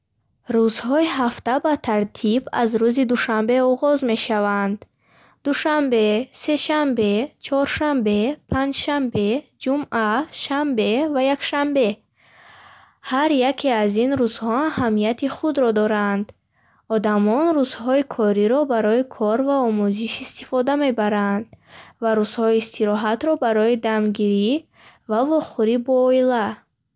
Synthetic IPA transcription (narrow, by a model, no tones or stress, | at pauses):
ɾuzhɔiɦaft̪abat̪ʰaɾt̪ʰiba̰zɾuzid̪uʃambe̞ɔʁɔzme̞ʃavand̪ | d̪uʃambe̞se̞ʃambe̞t͡ʃʰɔɾʃambe̞pʰand͡ʒʃambe̞d͡ʒumʔaʃambe̞vajakʃambe̞ | haɾjakʰeazinɾuz̥hɔmhamiat̪iχud̪ɾɔd̪ɔɾand̪ | ɔd̪amɔnɾuzhɔikʰɔɾiɾɔbaɾɔikʰɔɾvaɔmuziʃist̪ifɔd̪ame̞baɾand̪vaɾuz̥hɔiːst̪ʰiɾɔɦat̪ɾɔbaɾɔid̪amɡiɾi | vavɔχuɾibɔːila